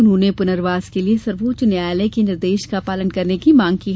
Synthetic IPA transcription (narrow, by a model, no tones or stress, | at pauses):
ʊnɦõːnepʊnəɾʋaːz̥keliesɐɾʋoːt͡ʃnjaːlekeɪnɪɾd̪eːʃkapaːlənkɐɾnekimãːŋɡkiː